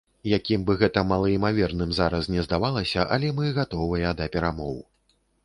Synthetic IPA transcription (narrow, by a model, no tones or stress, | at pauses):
jakʲimbɨɣɛt̪ɐmɐlˠɐimavʲɛrnɨmzaɾɐsnʲɛzd̪avalˠɐsʲɐʔalʲɛmɨɣat̪ɔvɨjɐd̪ɐpʲɛɾamɔw